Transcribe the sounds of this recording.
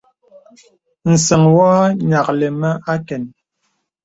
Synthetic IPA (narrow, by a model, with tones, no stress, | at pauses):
n̩˨sə˨ŋwaː˦ɲa˨k̚lɛ˨ma˦a˦kɛ˨n